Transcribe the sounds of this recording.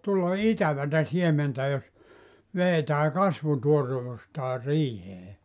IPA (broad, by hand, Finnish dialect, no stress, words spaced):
tulːɑ itæʋætæ siementæ jos ʋeːtæː kɑsʋutuoreʋustɑː riːheː